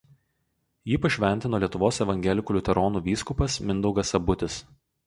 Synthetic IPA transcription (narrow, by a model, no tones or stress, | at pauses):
jiːpɐʃʲʋʲɛnʲt̪ʲɪnoːlʲiɛt̪ʊʋoːsɛʋɐŋʲɡʲɛlʲɪkuːlʲʊt̪ʲɛɾɔːnuːʋʲiːskʊpɐsmʲɪnd̪ɔʊɡɐsɐbʊt̪ʲɪs